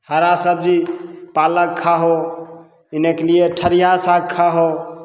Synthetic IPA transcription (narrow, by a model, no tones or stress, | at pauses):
həɾasəb̚d͡ʒipaləkkʰːaɦo | inekelieʈʰəɾijasaɡkʰːaɦo